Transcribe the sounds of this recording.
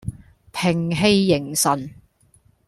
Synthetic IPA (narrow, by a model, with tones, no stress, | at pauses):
pʰɪ˨˩ŋɦe˧jːɪ˨˩ŋsɐ˨n